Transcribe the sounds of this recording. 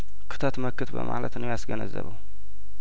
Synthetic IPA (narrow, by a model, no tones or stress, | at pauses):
kʰɨ̥t̪ʰat̪mɐkʰːɨt̪bɨ̰mʔa̰ʕlɐt̪nɨasɡɐnɐzɐ̰βɐw